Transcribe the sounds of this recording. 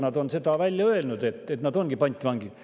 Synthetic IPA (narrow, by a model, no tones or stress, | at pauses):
nɑd̪o̞nse̞d̪ɑvælʲjɑøelnud̪e̞t̪ːˑet̪nɑd̪̥o̞nɡ̥ipɑnʲt̪vɑŋɡi